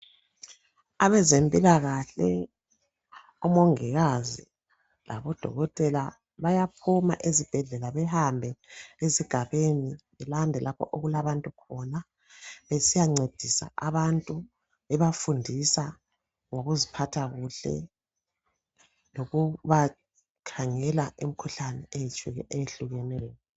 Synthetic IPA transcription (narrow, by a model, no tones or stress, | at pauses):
aβɛzempʼilaɣaɬɛ | umɔŋɛɣazi | lʔa̰βɔd̥ʱɔ̰ɣɔtʼɛla | βajapʰuma̰ʔezib̥ʱɛɮɛlaβɛhambʱɛeziɡ̥ʱaβeniβɛlandʱɛlʔapʰɔ̰ʔoɣulaβantʼukʰɔna | βesijaŋ͡ǀed̥ʱisa̰aβantʼu | ɛβafundʱisa | ŋoɣuzipʰatʰaɣuɬɛ̰ | loɣuβa | kʰaŋɛlaem̩kʰuɬanɛejit͡ʃʼuɣɛʔejeɬuɣɛnɛːjɔ